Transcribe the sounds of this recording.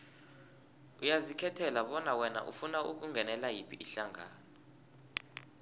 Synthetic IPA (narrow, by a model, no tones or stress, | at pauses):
ujazikʰɛtʰɛlaɓɔnawɛna̰ʔṵfunauk̬uŋɡʱɛnɛlajipʰiʔiɬaŋʱa̰ːnɔ